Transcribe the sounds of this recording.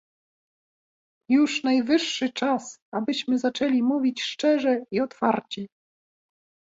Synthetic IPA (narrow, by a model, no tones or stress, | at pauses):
juʂnajvɘʂːɘt͡ʂasabɘɕmɘzat͡ʂɛlʲimuvʲit͡ɕʂt͡ʂɛʐɛiɔt̪fa̰ɾt͡ɕi